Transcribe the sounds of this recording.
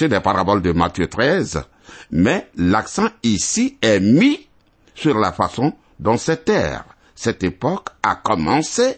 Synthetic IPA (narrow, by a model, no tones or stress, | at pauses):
ed̪ɛpaʁabɔld̪əmat̪jøt̪χɛz | mɛlaksɑ̃isiɛmi | syʁla̰fasɔ̃ | d̪ɔ̃sɛt̪ɛ̰ʁ | sɛt̪epɔka̰kɔmɑ̃se